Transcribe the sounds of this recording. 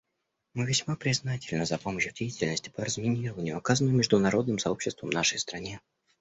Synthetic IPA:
mɨvʲɪsʲmapɾʲɪznatʲɪlʲnəzɐpo̞məɕːjʊdʲejɪtʲɪlʲnəsʲtʲɪ̥pərəzmʲɪnʲiɾəvənʲɪjʊɐkazənɨmʲɪʐd̪ʊnɐɾo̞d̪nɨmsɐo̞pɕːɪst̪və̰mnaʂəjst̪ɾɐnʲe

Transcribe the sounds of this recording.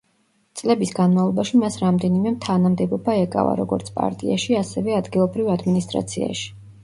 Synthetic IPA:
t̪sʼlɛbisɡanmavlˠɔbaʃimasɾamd̪ɛnimɛmt̪ʰanamd̪ɛbɔbaɛkʼa̰va̰ɾɔɡɔ̰ɾt̪sʰpʼa̰ɾt̪ʼḭaʃiasɛvɛad̪ɡilˠɔbɾivad̪minist̪ʼɾa̰t̪sʰḭa̰ʃi̥

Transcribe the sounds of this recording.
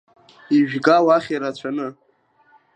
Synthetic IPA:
iʒᶣɡawaχʲiɾat͡ɕʷʰanɨ

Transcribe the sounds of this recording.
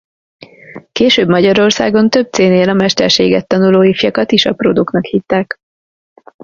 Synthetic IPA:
keːʃøːbmɒɟɒɾo̞rsa̰ːɡo̞nt̪ø̞b̚t̪seːneːlɒmɛʃt̪ɛrʃeːɡɛt̪ːɒnuloːifjɒkɒt̪iʃɒprod̪uknɒkhit̪ːaːk

